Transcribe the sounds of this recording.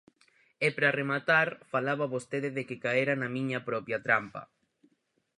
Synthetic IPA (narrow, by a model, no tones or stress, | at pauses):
epɾaremat̪aɾfalaβaβost̪eðɪðekɪkaeɾanɐmĩɲɐpɾɔpjat̪ɾampɐ̰